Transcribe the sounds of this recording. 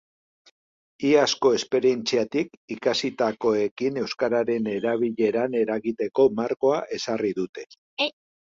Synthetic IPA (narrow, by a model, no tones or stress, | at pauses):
iasko̞e̞spe̞ɾie̞nt͡siat̪ikikasit̪ako̞e̞kine̞wskaɾaɾe̞ne̞ɾaβ̞iʎe̞ɾane̞ɾaɣit̪e̞ko̞maɾko̞aʔe̞sariðut̪e̞